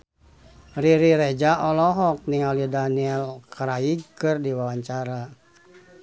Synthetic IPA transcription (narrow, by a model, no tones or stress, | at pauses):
riɾiɾed͡ʒaʔɔlɔɦɔk̚niŋalidaniɛlkaɾaiɡkɨrdiwawaɲt͡ʃaɾa